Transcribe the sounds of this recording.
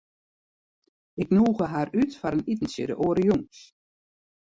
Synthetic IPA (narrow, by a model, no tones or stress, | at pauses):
ɪknuːɣəɦaɾytfaɾənitn̩sə̰ɾə̰ʔoːɾəjuŋs